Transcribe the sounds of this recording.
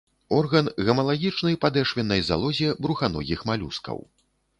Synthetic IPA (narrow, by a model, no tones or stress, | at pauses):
ɔrɣɐnɣɐmɐlˠaɣʲit͡ʂnɐjpad̪ɛʂvʲɛnːɐjza̰lˠɔzʲɛbɾuxanɔ̰ɣʲixmalʲṵskɐ̰w